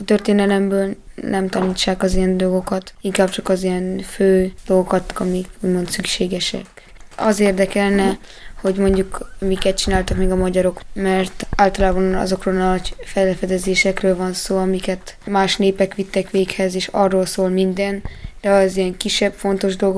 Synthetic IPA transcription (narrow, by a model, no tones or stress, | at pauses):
ɒt̪ørt̪eːnɛlɛmbøːlnɛmt̪ɒniːt͡ʃːaːkɒzijɛnd̪o̞lɡo̞kɒt̪iŋkaːb̚t͡ʃɒkɒzijɛnføːd̪̥o̞lɡo̞kɒt̪ɒmikuːɟmo̞nt̪sykʃeːɡɛʃɛ̰k | ɒzeːrd̪ɛkɛlnɛho̞ɟmo̞ɲɟukmikɛt̪̚t͡ʃinaːlt̪ɒkmeːɡɒmɒɟɒɾo̞kmɛrt̪aːlt̪ɒlaːbɒnɒ̰zo̞kroːlnɒɟfɛlfɛd̪ɛzeːʃɛkrøːlvɒnsoːɒmikɛt̪maːʃneːpɛkʋit̪ːɛkʋeːkhɛzeːʃɒrːoːlsoːlmind̪ɛnd̪̥ɛɒzijɛŋkiʃːɛbfo̞nt̪o̞ʒd̪o̞lɡo